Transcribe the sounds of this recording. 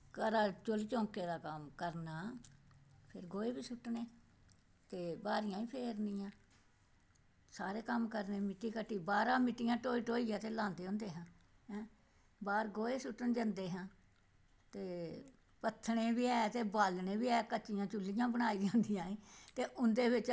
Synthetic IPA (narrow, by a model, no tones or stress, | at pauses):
kəɾaːt͡ʃʊlt͡ʃɔ̃ːkeːd̪aːkəmkəɾnaː | pʰɪɾɡoːeːbiːsʊʈːneː | t̪eːbaːɾɪjãːĩːpʰeːɾnɪjãː | saːɾeːkəmkəɾneːmɪʈːiːkəʈːiːbaːɾãːmɪʈːijãːʈoːiːʈoːiːãːt̪eːlãːnd̪eːʊ̃nd̪eːɦãː | ɦɛ̃ː | baːɾɡoːeːsʊʈːənd͡ʒãːnd̪eːɦãː | t̪eː | pət̪ʰːɽeːbiːɛːt̪eːbaːlnẽːbiːɛːkət͡ʃːɪjãːt͡ʃʊlːɪjãːbəɽ̃aːiːd͡ʒãːnd̪ɪjãːĩːt̪eːʔʊnd̪eːʋɪt͡ʃ